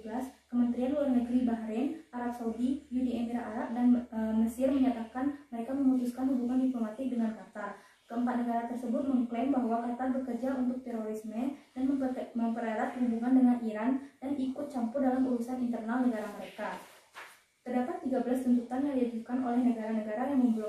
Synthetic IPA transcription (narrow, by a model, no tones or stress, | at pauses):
bəlaskəmənt̪ɾianulahnəɡɾibaɦɾɛnʔaɾap̚saudijudiɛmiɾaʔaɾap̚danməsɪrməɲat̪akanməɾekaməmut̪uskanhubuŋandiplomat̪ɪk̚dəŋankat̪ar | kəəmpat̪̚nəɡaɾat̪ərsəbʊt̪̚məŋklɛmbaɦwakat̪arbərkərd͡ʒaunt̪̬ʊk̚t̪ɛɾoɾismədanəməmpəɾaɾat̪̚əlinduŋandəŋanʔiɾandanʔikʊt̪̚t͡ʃampʊrdalamuɾusanint̪ərnalnəɡaɾaməɾeka | t̪ərdapat̪ːiɡabəlast̪ənt̪ut̪anjaŋdiad͡ʒukanolɛhnəɡaɾanəɡaɾajaŋməmbul